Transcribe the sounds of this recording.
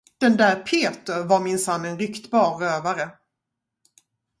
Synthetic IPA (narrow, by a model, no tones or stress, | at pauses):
d̪̥ɛnd̪æːɾpʰeːt̪əɾvaɾmɪnsanːɛnɾʏkt̪bɑːɾːøːvaɾə